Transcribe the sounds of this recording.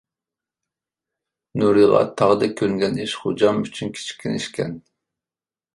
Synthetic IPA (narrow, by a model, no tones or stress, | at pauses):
nuɾɨʁɑ̰t̪ʰɑʁd̪ɛkʲʰøŋɡʲɛniʃχod͡ʒɑmyt͡ʃʰynkʲʰi̥t͡ʃʰi̥kʲʰːinḭʃkʲʰɛ̰n